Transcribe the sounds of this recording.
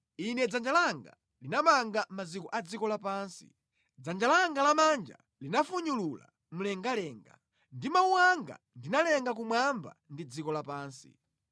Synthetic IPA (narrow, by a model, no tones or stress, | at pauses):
inɛd͡zand͡ʒalaŋɡa̰ | linamaŋɡamazikɔʔad͡zikɔlapaːnsi̥̰ | d͡zand͡ʒalaŋɡalamand͡ʒa̰ | linafuɲulula̰ | m̩lɛŋɡalɛːŋɡa | ndimauwaŋɡa̰ | ndinalɛŋɡak̬umwamba̰ndid͡zikɔlapaːnsḭ